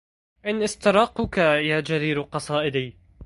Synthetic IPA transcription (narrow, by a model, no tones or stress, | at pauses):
ʔɪnʔɪst̪ɑɾˤɑːqːʊkajaːd͡ʒaɾiːɾqɑsˤɑːʔɪd̪iː